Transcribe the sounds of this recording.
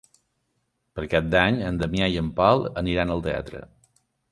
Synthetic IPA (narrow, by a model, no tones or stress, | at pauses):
pəɾkat̪̚d̪aɲənd̪əmjajəmpalˠəniɾanəlˠt̪ea̰t̪ɾə̰